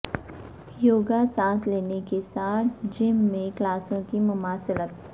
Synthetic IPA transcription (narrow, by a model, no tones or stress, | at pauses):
joːɡasãːsleːnekesaːt̪ʰd͡ʒɪmːẽklaːsõkimʊmaːsɪlət̪